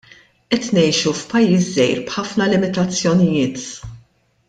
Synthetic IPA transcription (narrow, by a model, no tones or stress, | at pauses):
ʔɛt̪nɛjʃufpɐjːiːszɛjɾbħɐfnɐlɪmɪt̪ɐt͡sːjɔnɪjɪːt̪